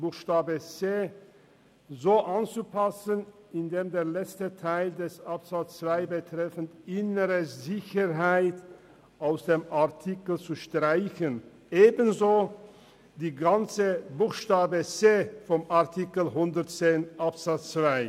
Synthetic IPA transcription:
b̥uːxʃtaːbət͡seː | zoːʔant͡supʰasən | ɪndeːmdeːɐlɛt͡stətʰaɪldɛsʔapz̥at͡st͡sv̥aɪbətʁ̥ɛfn̩tʔɪnəʁəzɪçəʁɦaɪt | ʔaʊsd̥eːmaɐtʰikl̩t͡suʃtʁ̥aɪçən | ʔeːbənzoː | d̥iːɡant͡səbuːxʃtaːbət͡seːfɔmʔaɐtʰikl̩ɦʊndətt͡seːnʔapz̥at͡st͡sv̥aɪ

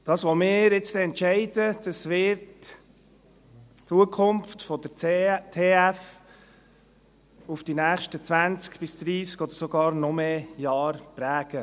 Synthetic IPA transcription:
d̥̪ɑːsʋɔmɪːɾɪt͡stɛɛntʃɛɪd̥̪əd̪̥ɑsʋɪɾt | t͡suəkʰʊmftfɔd̥̪ətʰeːæf | ufd̥inæːχʃtət͡sʋænt͡skb̥ɪsd̪̥ɾiːskɔd̥̪əɾsɔɡɑːɾnɔmejɑːɾpɾæːɡ̥ə

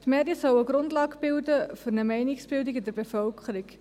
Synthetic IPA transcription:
t̪mɛːɾdjəsœwəɡɾʊndlɑːɡb̥ɪldəfʏɾnəmɛɪnɪksb̥ɪldɪɡɪdəɾbefœlkʰχəɾik

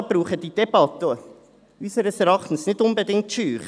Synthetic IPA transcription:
b̥ɾuːχədid̥ɛbɑt̪ə | ysəɾəsɛɾɑχtn̩snɪdʊnbədɪŋtʃyːχ

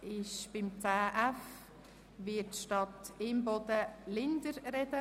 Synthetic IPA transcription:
ɪʃb̥ɪmt͡saːʔæf | vɪtːʃtɑt̪ɪmbɔd̪əlɪndəɾɾɛdə

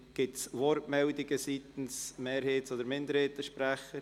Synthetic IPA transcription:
ɡ̥ɪtsvɔɾtmɛldɪɡəsiːtn̩smeːɾheːtsodəɾmɪndəɾheːtəʃpɾæχəɾ

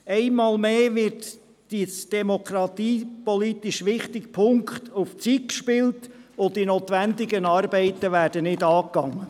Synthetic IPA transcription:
ɛɪmɑːlmeːʋɪt | d̥isd̥ɛmokɾɑt̪iːpɔlitɪʃʋɪχtɪkpʰʊŋkχt̪uft͡sit̚kʃpɪltʊtinoːt̪ʋændɪɡənɑːɾbɛɪtːəʋæːɾd̥ənɪdɑːkɑŋːə

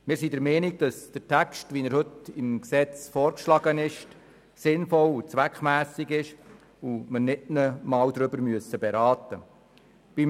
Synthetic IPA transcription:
mɪːɾsidəɾmɛniɡ̚d̥ɑsd̥əɾtʰækstʋinəɾhɵtɪmksɛt͡sfɔːɾkʃlɑɡənɪʃt | sɪnfɔlut͡sʋækχmæːsiɡɪʃ | umənɪdnəmɑːwd̪ɾɵbəɾmyəsəbɛɾɑːt̪ə | b̥im

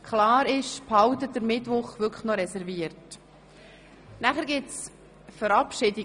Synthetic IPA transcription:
kʰχlɑːɾɪʃphɑwtət̚d̥əɾmɪtʋʊχʋʏkʰχnɔɾɛsɛɾviəɾt | næχəɾɡɪts | fəɾɑpʃɪdi

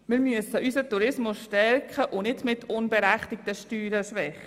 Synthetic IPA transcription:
mɪɾmyəsəʔysətuɾɪsmʊsʃtɛɾkχəʔʊnɪdmɪtʰʊnbɛɾæχt̪ɪk̚təʃtyːɾəʃʋɛχːə

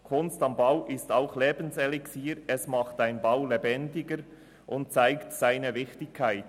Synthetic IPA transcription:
kʰʊnstɑmbaʊʔɪstaʊxleːbən̩sɛlɪksiːɾɛsmɑχtaɪnbaʊlebɛndɪɡəɾ | ʔʊnt̚t͡saɪktsaɪnəvɪçtɪkʰːaɪt

